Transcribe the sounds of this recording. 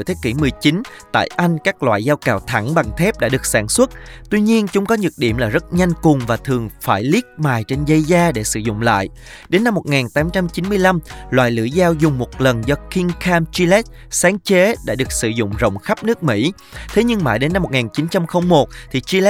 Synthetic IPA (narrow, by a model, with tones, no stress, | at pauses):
t̪ʰe˨˦kḭ˧˩mɨ˨˩əjt͡ɕi˨˦nt̪a̰ː˧˨jʔa˧jŋ̟kaː˦˥k̚lwa̰ː˧˨jzaː˧wkaː˨˩wt̪ʰa˧˩ŋɓa˨˩ŋt̪ʰɛ˦˥p̚ɗa̰ː˧˥ɗɨ˨˩ək̚saː˧˩nswə˦˥t̚t̪wi˧ɲi˧ənt͡ɕʊ˨˦ŋ͡mkɔ˨˦ɲɨ˨˩t̚ɗḭ˧˩əmlaː˨˩zə˦˥t̚ɲa˧jŋ̟kʊ˨˩ŋ͡mvaː˨˩t̪ʰɨ˨˩əŋfaː˧˩jli˦˥ək̚maː˨˩jt͡ɕe˧nzə˧jzaː˧ɗe˧˩sɨ̰˧˩zʊ̰˧˨ŋ͡mla̰ː˧˨j | ɗe˨˦nːa˧mːo˨˩t̚ŋaː˨˩nt̪aː˨˦mt͡ɕa˧mt͡ɕi˨˦nmɨ˧əjla˧mlwa̰ː˧˨jlɨ̰˧˩əzaː˧wzʊ˨˩ŋ͡mmo˨˩t̚lə˨˩nzɔ˧ki˧ŋkaː˧mt͡ɕi˧lɛ˦˥t̚ | saː˨˦ŋt͡ɕe˨˦ɗa̰ː˧˥ɗɨ˨˩ək̚sɨ˧˩zʊ̰˧˨ŋ͡mzə̰˧˨wŋ͡mxa˦˥p̚nɨ˦˥ək̚mḭ˧˥ | t̪ʰe˨˦ɲɨ˧ŋma̰ː˧˩ɗe˨˦na˧mːo˨˩ŋaː˨˩nt͡ɕi˨˦nt͡ɕa˧mxə˧wŋ͡mmo˨˩t̚t̪ʰi˨˩t͡ɕi˧l